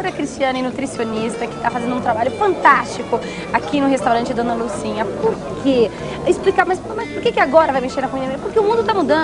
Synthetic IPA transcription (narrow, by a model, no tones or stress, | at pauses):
oɾɐkɾist͡ʃiɐ̃nɪnut̪ɾisionist̪ɐkɪ̥t̪afazẽnd̪ʊũt̪ɾabaʎʊfɐ̃nt̪ast͡ʃikʊ | akinʊɦest̪awɾɐ̃nt͡ʃɪd̪õnɐlusĩɲɐpoɾkʰe | ɪsplikamajspomajspʊɾkekɪaɡɔɾɐvajmeʃeɾnɐkõid̪ẽɐmiɐpoɾkeʊumũd̪ʊt̪amud̪ɐ̃